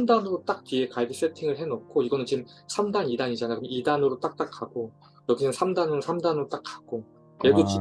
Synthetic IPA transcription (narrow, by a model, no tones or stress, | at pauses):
mdanɯɾot͈ak̚tie̞kaɭɡis͈ʰe̞tʰiŋɯɭɦe̞nok̚kʰoiɡʌnɯnt͡ɕim | sʰamdanidaɲid͡ʑanajokɯɲʌidanɯɾot͈ak̚t͈ak͈ʰːaɡ̥o | ɾʌɡinɯnsʰamdanɯɾosʰamdanɯɾot͈ak͈ak͈o | edot͡ɕi